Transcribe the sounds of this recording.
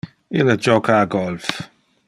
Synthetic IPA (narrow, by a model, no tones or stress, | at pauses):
ɪləd͡ʒɔkʰaɡɔlf